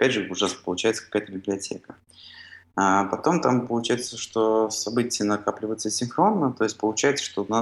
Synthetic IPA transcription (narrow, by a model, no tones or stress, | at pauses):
ɐpʲædʲʐɨʊʐasnə̥pəlˠʊt͡ɕæjɪt̪səkɐ̥kajət̪əbʲɪblʲɪɐtʲʰe̞̰kə | apɐt̪o̞mt̪ampəlˠʊt͡ɕæjɪt̪səʂt̪o̞sɐbɨtʲɪjənɐkaplʲɪvəjɪt̪səsʲɪnxɾo̞nːət̪o̞jɪsʲt̚ʲpəlˠʊt͡ɕæjɪt̪səʂt̪ona